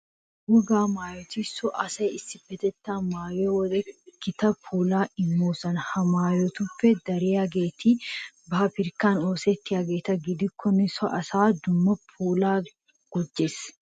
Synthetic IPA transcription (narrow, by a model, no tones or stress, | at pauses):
wɔɡaːmaːjɔt̪isɔʔɐsɐjɪsɪbɛt̪ɛt̪ːaːmaːjeːwɔlɛkːɪt̪ɐpʰuːlaːʔɪmːuːsɐnhɐmaːjɔt̪ʊfːɛd̪ɐɾeːɐɡeːt̪i | baːpɪɾkaːnoːseːt̪ːɪɐɡeːt̪ɐɡɪd̪ɪkʰːɔnɪsɔʔɐsaːd̪ʊmːɐpʰuːlaː | ɡ̥ɔd͡ʒːes